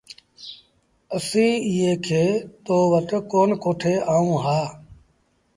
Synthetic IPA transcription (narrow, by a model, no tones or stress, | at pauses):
əsĩːɪɦeːkʰeːt̪oːʋəʈ̪koːnkoːʈʰeːaːũːɦaː